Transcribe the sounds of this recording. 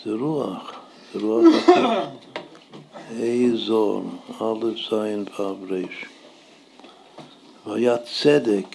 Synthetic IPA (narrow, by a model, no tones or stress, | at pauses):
d̥ɪɾuaχ | d̥ɪɾuaχat | eɪzɔɾnalˠəfzaɪnvabɾeɪʃ | vajat͡sɛdɪk